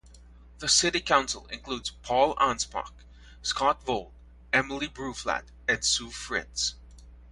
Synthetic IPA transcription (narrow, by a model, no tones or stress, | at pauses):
ðəsɪɾikʰãʊ̃nsə̰l̩ˠɪ̰̃nkʰl̥udz̥pʰɔlˠæ̰̃nspʰɑ̰k | skɑtvolˠd | ɛməlˠibɹuflæ̰t | ɨ̃nsufɹɪts